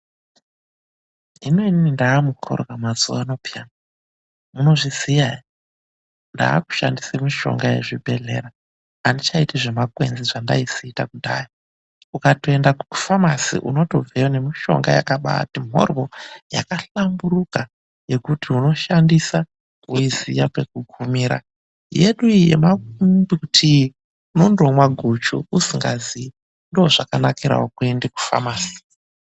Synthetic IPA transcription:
ineininindaːmukʰo̰ɾokamazuaːno̞pijaːna | muno̞ʐisijai | nda̰ːku̥ʃa̰ndisemiʃo̞̰ŋɡajḛʐibʱe̞ɮe̞̰ɾaː | ndit͡ʃaitiʐemakwenziʐanda̰isiːtakudaji | ukatoe̞ndakuu̥famasḭʔṵno̞to̞veone̞miʃo̞̰ŋɡaja̰kaɓa̰timo̞̰rwo̞ja̰kaɬambuɾuka | je̞kutiuno̞ʃandisa | uizijape̞k̚uɡʱumiːɾa̰ | je̞ɗuijḛmakutʰi | no̞ndo̞mwaɡʱut͡ʃuusiŋɡa̰zi | ndooʐ̥akanakiɾa̰wokuendeku̥fa̰maːsi̥

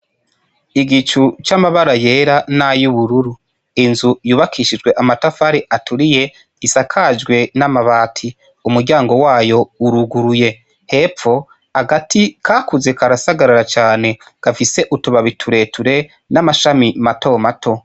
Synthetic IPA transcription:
iɡit͡ʃut͡ʃamaβaɾaje̞ːɾanajuβuɾuɾu | inzujuːβakʰiʃid͡ʒɡwe̞ʔamatafaɾiʔatuɾije̞ | isakʰad͡ʒɡwe̞namaβaːtʰi | umuɾɟaːŋɡo̞waːjo̞uɾuɡuɾuje̞ | he̞p͡fo̞ | aɡatikʰaːkuze̞kaɾasaɡaɾaɾat͡ʃaːne̞ | ɡ̥afise̞ʔutuβaβitʰuɾe̞tʰuɾe̞ | namaʃamimato̞matʰo̞

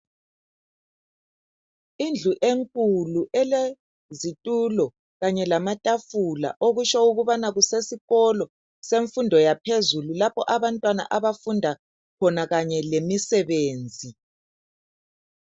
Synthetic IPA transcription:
ind͡ɮʱuʔeŋkʼuluɛle | zitʼulɔ | ɣaɲɛlamatʼafula̰ʔoɣut͡ʃauɣuβanaɣusesiɣɔlɔ | seɱfundʱɔjapʰezululapʰɔʔaβantʼwana̰ʔaβafundʱa | kʰɔnaɣaɲɛlemisɛβeːnd͡zʱi

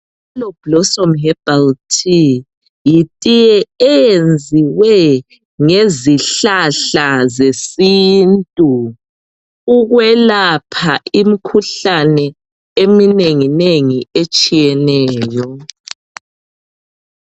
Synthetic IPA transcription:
lɔb̥lɔsɔmɦɛbaltʰi | jitʼijɛːjend͡zʱiwɛ | ŋeziɬaɬazesintʼu | ɣwɛlapʰaimikʰuɬanɛ | emineŋineŋiet͡ʃʼijɛnɛːjɔ

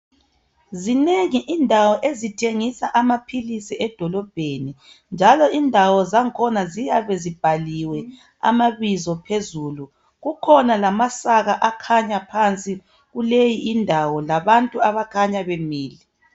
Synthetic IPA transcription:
zineŋiʔindʱawɔʔezitʰeŋisaʔamapʰilisiɛd̥ʱɔlɔb̥ʱeni | nd͡ʒʱalɔindʱawɔzaŋkʰɔnazijaβɛzib̥ʱaliwɛ | a̰maβizɔpʰezuːlu | ɣukʰɔnalamasaɣaʔakʰaɲapʰant͡sʼi | ɣulejiʔːndʱawɔlaβantʼuaβakʰaɲaβemiːli

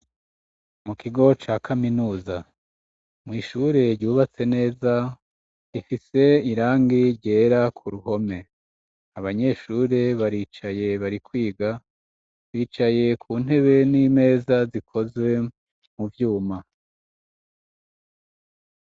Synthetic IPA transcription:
mukiɡo̞t͡ʃaːkʰaminuːza | mŋiːʃuɾe̞ɾɟuːβat͡se̞ne̞ːza | ifise̞iɾaːŋɡiɾɟe̞ːɾakʰuɾuho̞me̞ | aβaɲe̞ʃuːɾe̞βaɾiːt͡ʃaje̞βaɾikwiːɡa | βiːt͡ʃaje̞kʰuːn̥e̞βe̞nime̞ːzazikʰo̞zwe̞ | muvjuːma

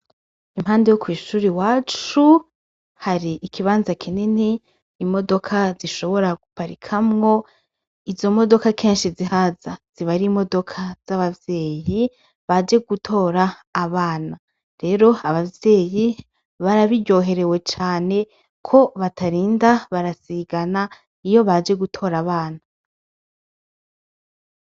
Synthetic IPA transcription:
imhaːndejokwiːʃuːɾiwaːt͡ʃu | haɾiːkiβaːnzakʰininiː | mo̞do̞kʰaziʃo̞βo̞ɾaɡupaɾikʰamŋo̞ | izo̞mo̞do̞kakʰeːnʃizihazaz̥iβaɾimo̞do̞kʰaz̥aβavje̞ːji | βad͡ʒe̞ɡutʰo̞ːɾaː | βaːna | ɾe̞ɾo̞aβavje̞ːji | βaɾaβiɾɟo̞ːɦe̞ɾe̞we̞t͡ʃaːne̞ | kʰo̞βatʰaɾiːndaβaɾasiɡana | ijo̞βad͡ʒe̞ɡutʰo̞ːɾaβaːna

